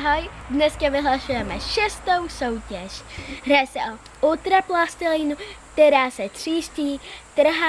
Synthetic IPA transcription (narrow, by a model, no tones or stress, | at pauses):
ɦojdnɛskavɪɦlasujɛmɛʃɛst̪owso̞wcɛʃɦɾaːsɛʔo | ʔut̪ɾaplast̪ɪlinukt̪ɛɾaːsɛt̪r̝̥iːsciːt̪r̩ɦa